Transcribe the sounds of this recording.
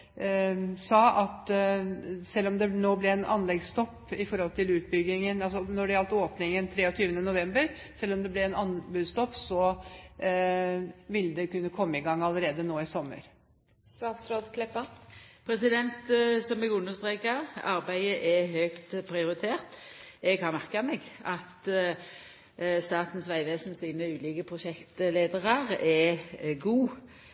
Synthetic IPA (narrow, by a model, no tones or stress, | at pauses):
sɑːʔɑt̪ | sɛlːɔmd̪ɛnoːblɛɛnʔɑ̰nlɛɡst̪ɔpːɪfɔɾhɔlt̪ʰɪlʉːt̪̚bʏɡɪŋənɑls̬ɔnɔɖɛɑlt̪oːpnɪŋənt̪ʰɾeːɔt̪ʰyːʋənənʊʋɛmbəɾ | sɛlːɔmd̪ɛblɛɛnɑnbʉːst̪ɔpːsɔ | ʋɪlːəd̪ɛkʉnːəkʰɔmːəɪɡɑŋːɑləɾeːd̪ənoːɪsɔmːə̰ɾ | sʋɑt̪sɾɔd̪kʰlɛpəpʰɾɛsɪd̪ɛnt̪sɔmɛɡʉnːəʁst̪ʁeːkɑɑɾbæɪəʔɛhøːkt̪pʰɾɪʊɾɪt̪ʰeːʁt̪ɛɡhɑnmæʁkəmɛɡɑt̪ | st̪ɑːt̪n̩sʋæɪʋeːsn̩siːnəʉːliːkəpʰʁʊʃɛkt̪leːd̪əʁəʁɛɡuː